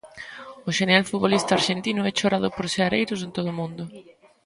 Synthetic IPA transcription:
ʊʃenealfut̪βolist̪aɾʃent̪inʊɛt͡ʃoɾað̞ʊpoɾseaɾejɾʊs̬ent̪oð̞ʊmũnd̪ʊ

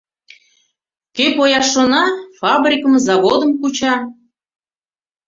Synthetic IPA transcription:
kepojɑʃonɑfɑbrʲikə̆mzɑβod̪ə̆mkut͡ɕɑ

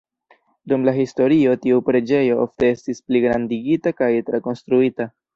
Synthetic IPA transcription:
dumlaɦisto̞ɾio̞tiupɾe̞d͡ʒe̞jo̞ʔo̰fte̞e̞stispliɡɾandiɡitakajtɾeko̞nstɾuita

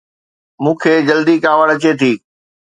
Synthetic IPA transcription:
mũːkʰeːd͡ʑɐld̪ikaːʋəɽɐt͡ɕet̪ʰiː

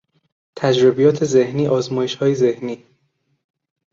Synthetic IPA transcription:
t̪ʰæd͡ʒɾobijɒːt̪ʰe̞zehniːʔɒːzmɒːjeʃhɒːjezehniː

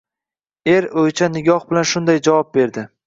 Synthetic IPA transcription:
e̞ɾojt͡ʃʰanɪɡʲɒhbɪlanʃʊnd̪ajd͡ʒavɒp̚be̞ɾd̪ɪ

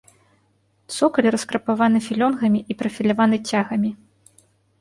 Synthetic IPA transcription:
t̪sɔkɐlʲiɾɐskɾɐpavanɨfʲilʲɔnɣɐmʲiʔipɾɐfʲilʲavanɨt͡sʲaɣɐmʲi

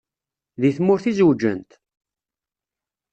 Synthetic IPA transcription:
ðiθmʊɾθizwd͡ʒːənt̪

